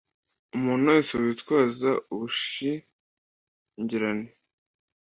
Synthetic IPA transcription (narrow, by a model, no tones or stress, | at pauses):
umuːnojisoitwaːzauβuʃi | ɲɟiɾane